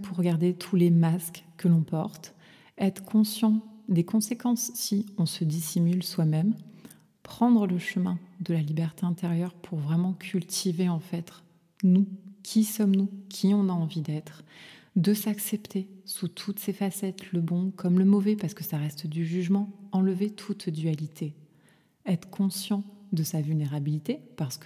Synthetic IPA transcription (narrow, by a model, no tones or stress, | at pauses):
pʰuʁːəɡaʁd̪et̪ʰulemaskkːəlɔ̃pɔʁt̪ | ɛt̪χəkʰɔ̃sjɑ̃d̪ekɔ̃sekɑ̃sːiɔ̃səd̪isimylswamɛm | pχɑ̃d̪ʁələʃəmɛ̃d̪əlalibɛʁt̪eɛ̃t̪eʁjœʁpʰuʁvʁɛmɑ̃kʲʰylt̪ʰiveɑ̃fɛt̪χ | nukʲʰisɔmnukʲʰiɔ̃naɑ̃vid̪ɛt̪χ | d̪əsaksɛpt̪ʰesut̪ʰut̪sefasɛt̪ləbɔ̃kʰɔmləmɔvɛpaʁsə̥kəsaʁɛst̪d̪yʒyʒmɑ̃ɑ̃ləvet̪ʰut̪d̪yalit̪ʰe | ɛt̪χə̥kʰɔ̃sjɑ̃d̪əsavylneʁabilit̪epaʁsə̥kə